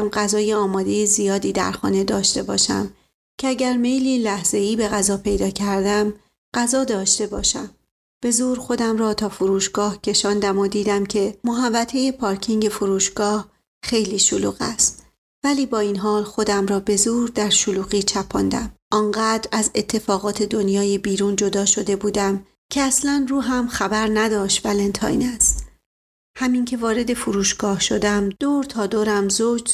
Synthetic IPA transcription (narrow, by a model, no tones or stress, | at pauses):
mɢæzɒːje̞ɒːmɒːd̪e̞jezijɒːd̪iːd̪æ̰ɾxɒ̰ːne̞d̪ɒːʃt̪e̞bɒ̰ːʃæ̰m | cʰeæɟæɾme̞jliːlæhz̥e̞iːbe̞ɣæzɒːpʰe̞jd̪ɒːcʰæɾd̪æm | ɢ̥æzɒːd̪ɒːʃt̪e̞bɒːʃæm | b̥e̞zuːɾxo̞d̪æmɾɒːt̪ʰɒːfoɾuːʃɡ̥ɒːhcʰe̞ʃɒːnd̪æmod̪iːd̪æmcʰe̞moɦævːæt̪ʰe̞je̞pʰɒːɾcʰiŋɟe̞foɾuːʃɡ̥ɒːh | xe̞jliːʃoluːɣæst̪̚ | væliːbɒːinɦɒːlxo̞d̪æmɾɒːbe̞zuːɾd̪æɾʃoluːɣiːt͡ʃʰæpʰɒnd̪æ̰mʔɒːŋɢæːd̪ɾæze̞t̪ʰːe̞fɒːɣɒːt̪ʰe̞d̪o̞njɒːjebiːɾuːnd͡ʒo̞d̪ɒːʃo̞d̪e̞buːd̪æm | cʰeæslænruːɦæmxæbæɾnæd̪ɒːʃt̪vælent̪ʰɒ̰ːjnæst̪ | hæmiŋcʰe̞vɒːɾe̞d̪e̞fuɾuːʃɡ̥ɒːhʃo̞d̪æmd̪̥oːɾt̪ʰɒːd̪oːɾæmzod͡ʒ